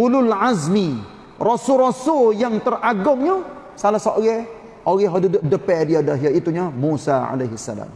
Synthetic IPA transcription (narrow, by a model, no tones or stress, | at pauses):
ululʕazmi | rosʊlɾosʊljaŋt̪əraɡʊŋɲa | salasaɡɛ | oɡɛɦɔdudʊʔ̚dəpɛdiadaɦiait̪uɲamusaa̰leɦisːa̰la̰m